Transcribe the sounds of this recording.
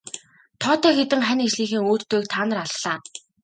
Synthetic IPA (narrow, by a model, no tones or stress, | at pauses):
t̪ʰɔːt̪œːxet̪ɘ̆ŋχænet͡ɕɮiːxeːŋuːt̪t̪ːeːk̚t̪ʰaːnə̆raɮːaː